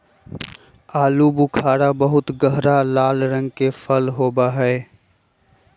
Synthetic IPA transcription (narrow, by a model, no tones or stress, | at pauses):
aːlubʊkʰaːɽabɐɦʊt̪ɡəɦɾalaːlɾə̃ŋɡkefəlɦoːbaɦɛː